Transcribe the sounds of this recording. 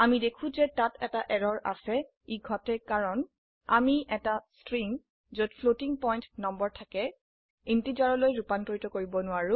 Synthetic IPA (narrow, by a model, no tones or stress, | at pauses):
amidekʰũzɛtatɛtaʔɛɹɔɹʔa̰sɛ | iɡʱɔtɛkaɹɔn | a̰miʔɛtastɹiŋ | zodpʰlotiŋpɔjntnɔmbɔɹtʰakɛ | intizaɹɔlojɹupantoɹitɔkoɹibɔnʊaɹʊ̃